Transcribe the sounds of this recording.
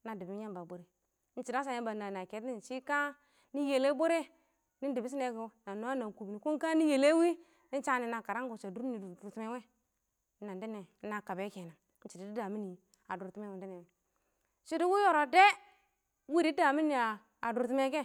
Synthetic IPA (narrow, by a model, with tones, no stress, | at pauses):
na˨di˨bi˦ja˦ba˨bo˨ɾe˨˦ | n̩˦t͡ʃi˨da˦s̬a˨ja˦ba˨na˨na˨ke˨˦ti˦˨n˨t͡ʃi˦ka˦ | ni˦je˨le˦bo˦ɾe˦ | ni˦di˨bi˦s̬i˦ne˨ɡna˨no˨˦a˦na˨ku˨bi˨ni˨ku˦ŋka˦ni˦je˨le˦wi˦ | ni˦n˦t͡ʃa˦ni˨na˨ka˨ɾa˦ŋɡo˨t͡ʃa˨du˦ɾni˨du˨du˨ɾtu˦me˦we˦ | na˨ndi˦ne˨˦a˨ka˨be˦ke˨na˨˦t͡ʃi˨di˨di˦da˨mi˦ni˨ | a˨du˨ɾtu˦me˦we˨di˦ne˨ | t͡ʃi˦di˦wu˦jo˨ɾo˨de˦ | wi˦ɾi˦da˨mi˦ni˨aː˨ | du˨ɾti˦me˦ke˦